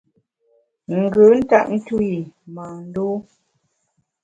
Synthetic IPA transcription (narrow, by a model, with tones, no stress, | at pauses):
ŋ̩˨ɡə˨˦n̩˦ta˦ʔn̩˦tu˦i˨ma˨n̩˦do˦